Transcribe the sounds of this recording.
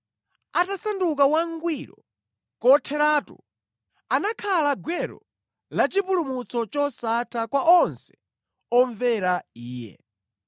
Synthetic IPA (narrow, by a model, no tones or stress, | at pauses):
atasanduk̬awaŋɡwiɾɔ | kɔtʰɛɾaːtṵ | anakʰalaɡwɛɾɔ̰ | lat͡ʃipulumut͡sɔt͡ʃɔsatʰakwaʔɔnsɛ̥ | ɔɱvɛɾaiːjɛ̰